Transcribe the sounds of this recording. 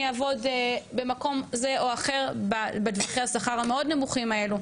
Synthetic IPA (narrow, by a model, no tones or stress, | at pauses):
avo̞d̪be̞mako̞mze̞ʔo̞aχe̞ʁbabedvaχiasaχaʁame̞o̞dne̞muχimaelu